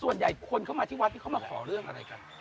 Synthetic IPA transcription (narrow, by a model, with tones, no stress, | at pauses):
su˨˩ənja˨˩jkʰo˧nkʰa˥˩wmː˧t̪ʰi˥˩wa˦˥t̪̚ʰːiː˥˩ka˥˩maː˧˩kʰɔ̰ː˩˦ɾɯ˥˩əŋʔa˧ɾa˧jka˧n